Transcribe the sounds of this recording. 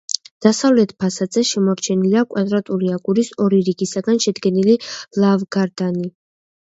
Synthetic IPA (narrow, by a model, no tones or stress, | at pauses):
d̪̥asavlɛt̪ʰpʰasad̪zɛʃɛmɔɾt͡ʃʰɛnilakʼwad̪ɾat̪ʼuɾiaɡʼuɾisɔɾiɾiɡisaɡanʃɛd̪ɡɛnililˠavɡaɾd̪ani